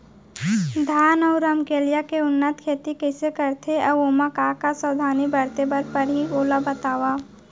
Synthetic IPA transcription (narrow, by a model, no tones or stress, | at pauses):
d̪ʱaːnəʊɾəmkeːljakeʊnːət̪kʰeːt̪ikɛɪsekəɾt̪ʰeɐboːmakaːkasəːd̪ʱaːnibəɾt̪ebəɾ̚pəɾɦioːlabət̪aːwa